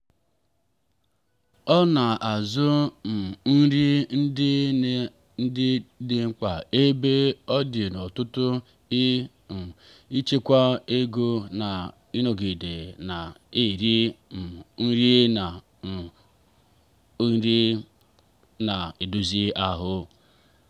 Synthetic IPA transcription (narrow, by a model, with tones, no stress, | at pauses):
ɔ˦na˨ʔa˨zʊ˦m̩˨n̩˦ɾi˦n̩˦ɪ˦ | n̩˦dɪ˦dɪ˨ŋ͡m̩˦k͡pa˨e˦be˦ɔ˦dɪ˨nɔ˨tʊ˦tʊ˦ | i˦˨ | i˦t͡ʃe˦kʷa˦e˦ɡo˦na˨ | i˦no˨ɡi˨de˨na˨e˨ɾi˦n̩˨n̩˦ɾi˦na˨˦ | n˦ɾi˦ | na˨e˨du˨zi˦a˦ɦʊ˦